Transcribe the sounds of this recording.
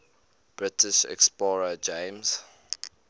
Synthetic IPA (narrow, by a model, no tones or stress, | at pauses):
b̥ɹɪtɪʃɛ̰ksplɔɹəd͡ʒẽɪmz̥